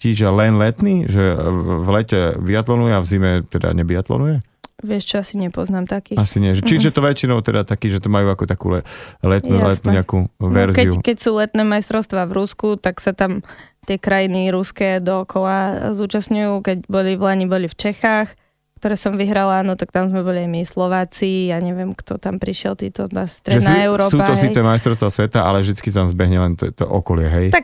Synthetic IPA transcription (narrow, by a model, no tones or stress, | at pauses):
ciːʒalɛnlɛt̪niːʒɛvlɛcɛbiat̪lɔnujɛavzimɛt̪ɛd̪a̰ɲɛbiat̪lɔ̰nujɛ | ʋɪɛʃt͡ʃɔasiɲɛpɔznaːmt̪akiːasiɲɪɛʒɛt͡ʃijɛt̪ɔʋɛt͡ʃinɔʊt̪ɛd̪at̪akiːʒɛt̪ɔmajuːakɔt̪akṵːlɛlɛt̪nulɛt̪nuɲɛakuːʋɛɾzɛiukɛcsuːlɛt̪nɛːmajst̪ɾɔʊst̪ʋaːʋɾuskut̪aksat̪amt̪ɪɛkɾajiniɾuskɛd̪ɔɔkɔlazuːt͡ʃasɲujuːkɛɟbɔliʋlaɲibɔlift͡ʃɛxaːx | kt̪ɔɾɛːsɔmʋiɦɾalaːnɔt̪ak̚t̪amzmɛbɔliaɪmislɔʋaːt͡sijaɲɛʋɪɛmkt̪ɔt̪ampɾiʃɪɛlˠt̪ḭːt̪ɔnast̪ɾɛʒɛsd̪auɛʊɾɔːsuːat̪ɔɦsiːt͡sɛmajst̪ɾɔʊst̪ʋasʋɛt̪aʔa̰lɛvʒd̪it͡skisat̪amzbɛɦɲɛlɛnt̪ɛt̪ɔ̰ʔɔkɔlɪɛɦɛj̪ak